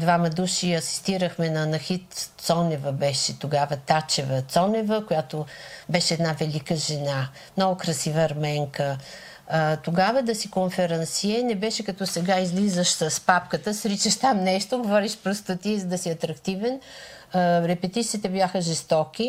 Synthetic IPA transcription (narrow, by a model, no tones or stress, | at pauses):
d̪vamɐd̪uʃiɐsi̥st̪iɾəxmɛnɐːnɐxit̪t̪sɔnɛvəbɛʃɛt̪oɡavət̪at͡ʃɛvɐt̪sɔnɛvəkojat̪obɛʃɛːd̪navɛlikəʒɛna | mnɔɡʊkɾɐsivəːɾmɛŋkə | t̪oɡavəd̪ɐsikonfɛɾɐnsiɛnɛbɛʃɛkɐt̪ɔsɛɡaizlizəʃsəspapkət̪əsɾit͡ʃəʃt̪amnɛʃt̪oɡovɔɾiʃpɾost̪ət̪izəd̪ɐsiɐt̪ɾɐkt̪ivɛn | ɾɛpɛt̪it̪siːt̪ɛblʲaxəʒɛst̪ɔkʲi